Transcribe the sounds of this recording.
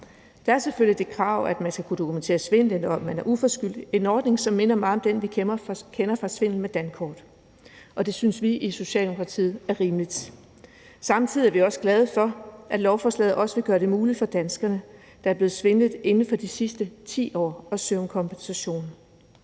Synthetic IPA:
d̥ɑ̈æɐsefølid̥e̝kʰʁɑ̰̈ʊ̰æd̥mænsɡ̥ækʰud̥o̝kʰument͡sʰe̝̰ːɐsʋe̝nəd̥enɒ̽mænæɐʔufɒ̽sɡ̥yl̰d̥e̝nɒːd̥ne̝ŋsɒ̽mːe̝nɐmɑ̈ːɒ̽md̥enʋikʰenɐfʁɑ̈sʋe̝n̰l̩med̥ænkʰɒ̰ːd̥ | ʔɒ̽d̥e̝synsʋiʔiso̝ɕɛ̰ːld̥emo̝kʰʁɑ̈t͡sʰḭːð̩ˠæɐʁiːmlid̥ | sɑ̈mt͡sʰið̰ˠiæɐʋiɒ̽səɡ̥lɛð̞ˠəfɒ̽ʔæd̥lɒʊfɒːslɛ̰ð̩ˠʔɒ̽səʋe̝ɡ̥ɶːɐɾ̥e̝muːlid̥fɒ̽d̥ænsɡ̥ɐnə | d̥ɑ̈æɐble̝ːð̩ˠsʋe̝nð̩ˠe̝nn̩fɒ̽d̥isisd̥ət͡sʰḭːɒ̰ːɒ̽søʊmkʰɒ̽mb̥ensæɕo̝̰ːn̩

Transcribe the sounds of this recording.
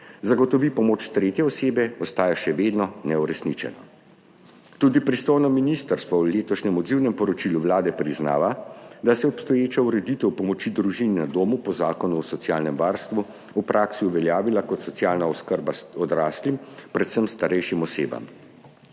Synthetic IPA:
zaɡɔt̪ɔʋipɔmoːt͡ʃt̪ɾeːt̪jɛɔseːbɛɔst̪aːjaʃɛʋeːd̪nɔnɛuɾɛsnit͡ʃɛ̰nɔ̰ | t̪ud̪ipɾist̪ojnɔminist̪əɾst̪ʋɔuleːt̪ɔʃɲɛmɔd̪ziwnɛmpɔɾɔt͡ʃiluʋlaːd̪ɛpɾizna̰ːʋad̪asɛɔpst̪ɔjeːt͡ʃauɾɛd̪it̪ɛwpɔmɔt͡ʃid̪ɾuʒinnad̪oːmupɔzaːkɔnuɔsɔt̪sjaːlnɛmʋaːɾst̪ʋu | upɾʔaksiuʋɛljaːʋilakɔt̪sɔt̪sijaːlnaɔskəɾbaɔd̪ɾaːslimpɾɛt̪səmst̪aɾɛjʃimɔsḛːba̰m

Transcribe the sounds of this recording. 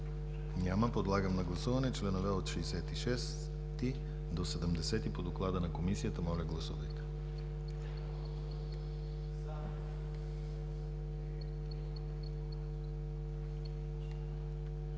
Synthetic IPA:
ɲʲaməpod̪lˠaɡəmnɐɡlˠɐsuvɐnɛt͡ʃlɛnovɛot̪ʃiːsɛt̪iʃɛs | t̪i | d̪osɛd̪əmd̪ɛsɛt̪ipod̪oklˠad̪ənɐkomisijət̪əmɔlʲəɡlˠɐsṵvəjt̪

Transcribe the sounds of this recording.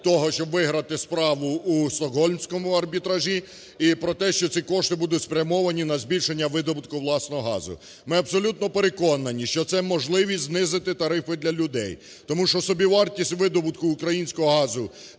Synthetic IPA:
t̪ɔɦɔʃt͡ʃɔbʋɪɦɾɐt̪ɪspɾɑʋʊusɔɦɔlʲnʲsʲkɔmʊɐrbʲit̪ɾɐʒʲi | ipɾɔt̪ɛʃt͡ʃɔt͡sʲikɔʃt̪ɪbud̪ʊt̪ʲspɾʲɐmɔʋɐnʲinɐzbʲilʲʃe̞nʲːɐʋɪd̪ɔbʊt̪kʊwlˠɑsnɔɦɔɦɑ̰zʊ̰ | mɪɐb̥sɔlʲut̪nɔpeɾe̞kɔnɐnʲiʃt͡ʃɔt̪sɛmɔʒlˠɪʋʲiznɪzɪt̪ɪt̪ɐɾɪfɪd̪lʲɐlʲʊd̪ɛj | t̪ɔmuʃɔsɔbʲiʋɑrtʲisʲtʲʋɪd̪ɔbʊt̪kʊːkɾɐjinʲsʲkɔɦɔɦɑzʊ

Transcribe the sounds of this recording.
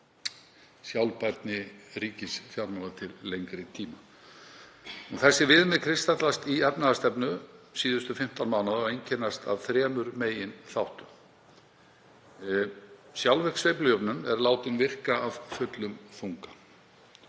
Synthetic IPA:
sjawlpajɾt̪nɪɾiːcɪsfjawɾmaw̪at̪ʰɪlːejŋkɾɪt̪ʰiːma | uθɛsːɪvɪðmɪðkʰɾɪst̪at̪last̪iɛpnaðast̪ɛpnʏsiːðʏst̪ʏfɪm̥t̪anmaːwnaðɔɣejɲcʰɛnːast̪a̰vθɾɛːmʏɾmeːjɪnθawht̪ʏm | sjawlvɛhksveːjplʏjʏpnʏnɛɾlaːwt̪ɪnvɪr̥kaːv̥fʏt̪lʏmθuŋkḁ

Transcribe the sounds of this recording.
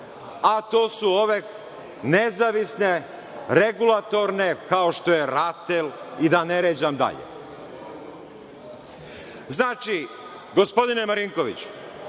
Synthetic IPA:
at̪o̞ːsuo̞ʋe̞ | nezaʋisne̞ | ɾe̞ɡulat̪o̞ɾne̞kao̞ʃt̪o̞jeɾat̪elid̪aneɾeːd͡ʑamd̪a̰ʎḛ | znaːt͡ʃi | ɡo̞spo̞d̪inemaɾiŋkoʋḭt͡ɕu̥

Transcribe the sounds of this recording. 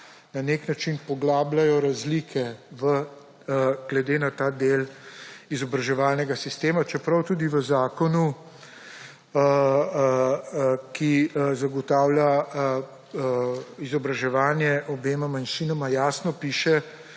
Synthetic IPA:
naneknat͡ʃinpɔɡlaːblajɔɾazlikʰɛʋə | ɡ̥lɛd̪eːnat̪aːd̪eːlizɔbɾɐʒɛʋaːlnɛɡasist̪eːmat͡ʃɛpɾɐwt̪uːd̪iʋəzaːkɔnu | ə | kizaɡɔt̪aːwlja | izɔbɾaʒɛʋaːnjɛʔɔbeːmamanʃinɔmajaːsnɔpiːʃɛ

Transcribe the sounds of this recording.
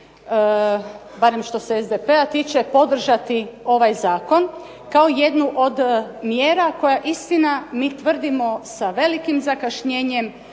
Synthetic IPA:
baɾemʃt̪o̞seezd̪epe̞at̪iːt͡ʃe̞po̞d̪r̩ʒat̪io̞ʋajzaːko̞n | kaoje̞d̪nuʔo̞d̪mjeːɾako̞jaʔist̪inamiːt̪ʋr̩d̪imo̞saʋe̞likimzakaʃɲeːɲe̞m

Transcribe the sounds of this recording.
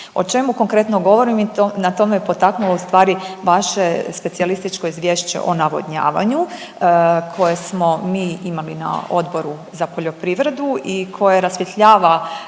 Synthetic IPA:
o̞̰t͡ʃe̞muko̞ŋkɾe̞t̪no̞ɡo̞ʋo̞ɾimionat̪o̞mejepo̞t̪aknuloust̪ʋaːɾiʋaʃe̞spe̞sialist̪it͡ʃko̞izʋje̞ːʃt͡ɕe̞̰ʔo̞naʋo̰d̪ɲa̰ːʋa̰ɲu | kʰo̞jesmo̞miːimalina̰o̞d̪bo̞ɾu | zapo̞ʎo̞pɾiʋɾe̞d̪uikʰo̞jaɾasʋjet̪ʎaːʋa

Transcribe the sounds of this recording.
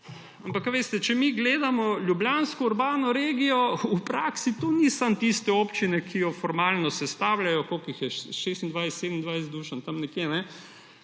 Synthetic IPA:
ampakʋeːst̪ɛt͡ʃɛmiɡleːd̪amɔlʲjubljaːnskɔuɾbaːnɔɾeːɡijɔupɾaːksit̪onisamt̪ist̪ɛoːpt͡ʃinɛkʰijɔfɔɾmaːlnɔsɛst̪aːwlajɔkoːkixjɛʃest̪ind̪ʋajst̪sed̪mind̪ʋajsd̪uːʃant̪ɐmnɛkjenɛ

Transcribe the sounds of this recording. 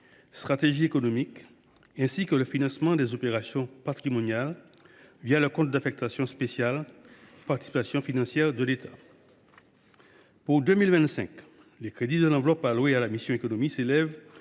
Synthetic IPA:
st̪χat̪eʒiekɔnɔmik | ɛ̃sikələfinɑ̃smɑ̃d̪ɛzopeʁasjɔ̃pat̪χimɔnjal | vjaləkɔ̃t̪̚d̪afɛk̚t̪asjɔ̃spesjalpaʁt̪i̥sipasjɔ̃finɑ̃sjɛʁd̪əlet̪ʰḁ | puʁd̪ømilvɛ̃t̪sɛ̃k | lekχed̪id̪əlɑ̃vlɔpalwealamisjɔ̃ekɔnɔmiselɛv

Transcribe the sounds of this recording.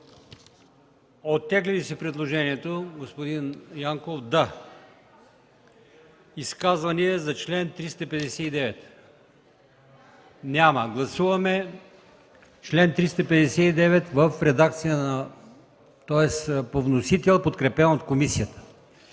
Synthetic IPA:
ot̪ːɛɡlɛlisɛpɾɛd̪lˠoʒɛniɛt̪oɡospod̪injaŋkofd̪a | iskazvɐniɛzɐt͡ʃlɛnt̪ɾist̪əpɛd̪ɛsɛid̪ɛvɛt̪ | nʲamɐɡlˠɐsuvɐmɛ | t͡ʃlɛnt̪ɾist̪əpɛd̪ɛsɛid̪ɛvɛt̪vəfɾɛd̪ak̚t̪sijənɐ | t̪ɔɛspovnosit̪ɛlˠpot̪kɾɛpɛnot̪komisiət̪ə̥

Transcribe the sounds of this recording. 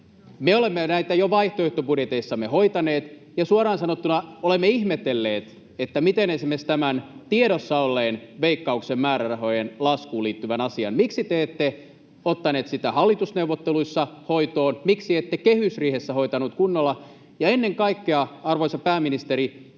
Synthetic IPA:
meolemːenæit̪æjoʋɑiht̪oiht̪obudjet̪eisːɑmːehoit̪ɑneːt̪ | jɑsuɑɾɑːnsɑnot̪ːunɑolemːeihmet̪elːeːt̪ | et̪ːæmit̪enesimest̪æmænt̪ieɾosːɑolːeːnʋeikːɑuksemmæːɾærɑɦo̞jenlɑskuːliːt̪ːyʋænɑsiɑ̰nmiksit̪eet̪ːe | ot̪ːɑneːt̪sit̪æhɑlːit̪usneuʋːot̪ːeluisːɑhoit̪oːnmiksiet̪ːekehysriːhesːæho̞it̪ɑnut̪̚kunːolːɑ | jɑenːeŋkɑikːeɑɑrʋoisɑpæːminist̪eɾi

